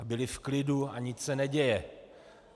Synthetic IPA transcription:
bɪlɪfklɪduaɲɪt͡ssɛnɛɟɛjɛ

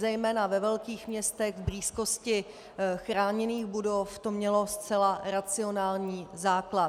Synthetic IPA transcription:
zɛjmɛːnavɛvɛlkiːxmɲɛst̪ɛɣvbɾiːsko̞scɪ | xɾaːɲɛniːɣbudoft̪omɲɛlo̞st͡sɛlaɾat͡sɪo̞naːlɲiːzaːkla

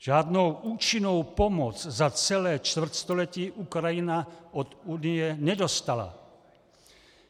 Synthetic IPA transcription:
ʒ̥aːd̪nowʔuːt͡ʃinɔwpɔmɔt͡szat͡sɛlɛːt͡ʃt̪vr̩cst̪ɔlɛciːʔukɾajinaɔd̪uːnijɛɲɛd̪ɔst̪ala̰

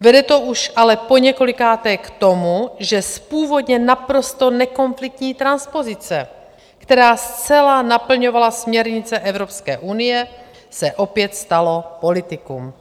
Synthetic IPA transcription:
vɛdɛt̪o̞ʔuʃʔalɛpoɲɛko̞lɪkaːt̪ɛkt̪o̞muʒɛspuːvo̞d̪ɲɛnapɾo̞st̪o̞nɛko̞nflɪk̚t̪ɲiːt̪ɾanspo̞zɪt͡sɛ | kt̪ɛɾaːst͡sɛlanapl̩ɲovalasmɲɛɾɲɪt͡sɛʔɛvɾo̞pskɛ̰ːʔunɪjɛ | sɛʔopjɛt̪st̪alo̞po̞lɪt̪ɪkṵm

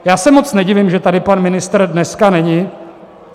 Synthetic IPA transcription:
jaːsɛmo̞t͡snɛɟɪvɪmʒɛt̪adɪpanmɪnɪst̪r̩dnɛskanɛɲɪ

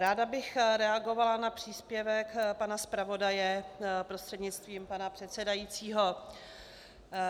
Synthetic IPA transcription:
ɾaːdabɪxɾɛaɡo̞valanapr̝̥iːspjɛvɛkpanaspɾavo̞dajɛpɾost̪r̥ɛdɲɪt͡st̪viːmpanapr̥ɛt̪sɛdajiːt͡siːɦo̞

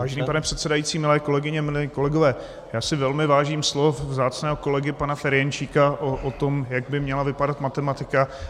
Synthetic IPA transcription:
vaːʒɛniːpanɛpr̝̥ɛt̪sɛdajiːt͡siːmɪlɛːko̞lɛɡɪɲɛmɪlɛko̞lɛɡovɛː | jaːsɪvɛlmɪvaːʒiːmslofvzaːt͡snɛːɦoko̞lɛɡɪpanafɛɾjɛnt͡ʃiːkaʔoʔot̪omjaɡ̚bɪmɲɛlavɪpadat̪mat̪ɛmat̪ɪka

